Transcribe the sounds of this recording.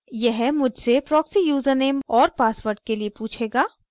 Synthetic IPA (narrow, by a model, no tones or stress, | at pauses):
jɛɦmʊd͡ʒʱsepɾɔːksijuːzəɾneːmɔːɾpaːsʋəɾɖ̚keliepuːt͡ʃʰeːɡaː